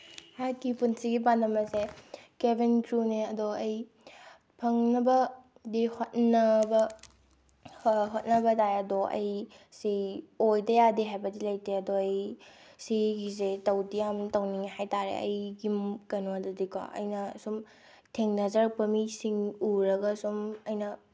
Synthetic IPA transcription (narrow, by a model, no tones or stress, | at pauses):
haɾkipunsiɡipandɐmɐsekebinkɾuneɐdoɐj | pʰɐŋnɐbɐ | dihot̚nɐbɐ | ɦot̚nɐbɐtajɐdoʔɐ̰jsiojdɐjadiɦajbɐdilɐjteɐdoɐjsiɡizetɐwdijamtɐwniŋhajtaɾḛɐ̰jɡimkɐnoɐdodikɔ̰ʔɐ̰jnɐsum | tʰeŋnɐzɐɾpɐmisiŋuɾɐɡɐsumɐjnɐ